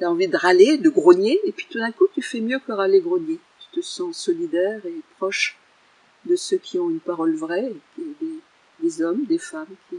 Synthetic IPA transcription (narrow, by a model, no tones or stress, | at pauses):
t̪yaɑ̃vid̪əʁaled̪əɡʁɔnjeːpɥit̪ud̪ɛ̃kut̪yfɛmjøkəʁaleɡʁɔnjet̪y̥t̪əsɑ̃sɔlid̪ɛʁepχɔʃ | d̪əsøkʲʰiɔ̃ynpaʁɔlvʁɛked̪e | d̪ezɔmd̪efamkʲi